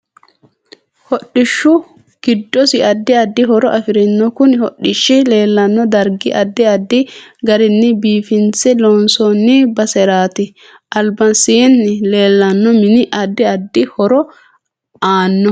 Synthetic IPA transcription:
hɔɗːɪʃːʊ | ɡ̥ɪd̪ːɔsɪɐd̪ːɪɐd̪ːɪɦɔɾɔʔɐfɪɾɛnːɔkʊnɪhɔɗːɪʃːɪle̞ːlːɐnːɔd̪ɐɾɡɪʔɐd̪ːɪɐd̪ːɪɡɐɾɪnːɛbiːfɪnt͡sɛloːnsɔnːɪbɐsɛɾaːt̪ɪ | ʔɐlbɐnsɪɛnːɛle̞ːlːɐnːɔmɪnɪʔɐd̪ːɪɐd̪ːɪhɔɾɔ | aːnːɔ

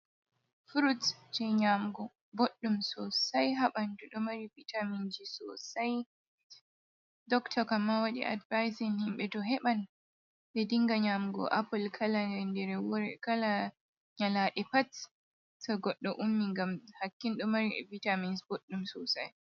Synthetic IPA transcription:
fuɾutd͡ʒɛɲamɡɔ | boɗːumsɔsajɦaɓanduɗɔmaɾibitʰamind͡ʒisɔ̰saj | dɔktɔkamːawaɗḭʔa̰dvajsinhimɓɛtɔɦɛɓan | dɛdiŋɡaɲamɡɔ̰ʔapulkʰalandɛɾwkala | ɲalaːɗɛpat | tɔɡɔɗːɔʔumːiŋɡamhakːinɗɔmaɾivitaminsboɗːumsɔsa̰j

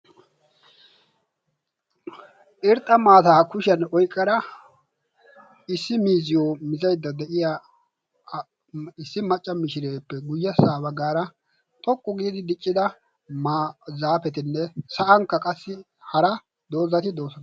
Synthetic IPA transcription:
ʔɪɾt̪ʼːɐmaːt̪aːkʊʃɐnɔjkʼːɐɾɐ | ɪsːɪmiːzɪjomɪzɐjd̪ːɐd̪ɛʔɪja | ɪsːɪmɐt͡ʃʼːɐmɪʃɪɾeːpːɛɡʊjːɐsaːbɐɡaːɾɐ | t̪ʼɔkʼːʊɡiːd̪ɪd̪ɪt͡ʃʼːɪd̪ɐ | mazaːpɛt̪ɪnːɛsɐʔɐŋkːɐkʼɐsːɪ | hɐɾɐ | d̪o̞ːzɐt̪ɪd̪o̞ːsɐ

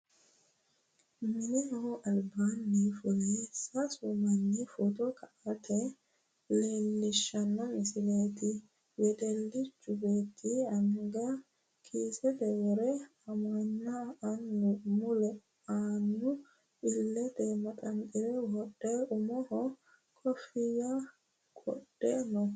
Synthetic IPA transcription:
mɪnɛhɔʔɐlbanːifʊlɛsɐsʊmɐnːifʊt̪ɔkɐʔɐt̪ɛ | leːlːɪʃːɐnːɐmɪsɪleːt̪ɪ | wɛd̪ɛlːɪt͡ʃʼːʊbeːt̪ʰiɐŋɡɐ | kʰiːsɛd̪ɛwɔɾɛ | ɐmɐnːɐːnːʊmʊlɛ | aːnːʊ | bɪlːɛt̪ɛmɐt̪ʼɐnkʼɪɾɛwɔɗɛʊmɔhɔ | kʰʼɔfɪja | kʼɔ̰ɗ̥ːɛːnɔ

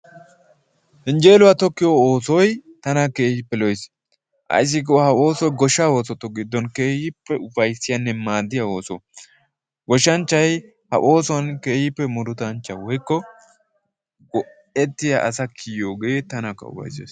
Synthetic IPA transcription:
hɪnd͡ʒe̞ːlʊwɐt̪ɔkːɪjooːsɔjt̪ɐnɐkeːhɪpːɛlɔjs | ʔɐ̰jɪs̬ːɪk̬ohɐo̞ːsɔjɡɔʃːaːwo̞ːsɔt̪ːɔɡɪd̪ːɔnkeːhɪpːɛʊfɐjsɪjɐnːɛmaːd̪ːɪjɐo̞ːsɔ | ɡɔʃːɐnt͡ʃːɐj | hɐ̰ʔo̞ːsɔɐnkeːhɪpːɛmʊd̪ʊt̪ɐnt͡ʃːɐwɔjkːɔ | ɡɔ | ɛt̪ːɪjɐʔɐsɐkʰijoːɡet̪ɐnɐkːɐ̰ʊ̰fɐ̰jsḛːs

